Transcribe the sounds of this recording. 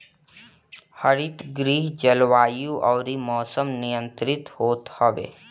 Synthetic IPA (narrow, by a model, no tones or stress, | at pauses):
həɾɪt̪ɡɾiːɦd͡ʒəlʋaːjũʔɔːɾimɔːsəmnɪjə̃nt̪ɾɪt̪hoːt̪həʋḛː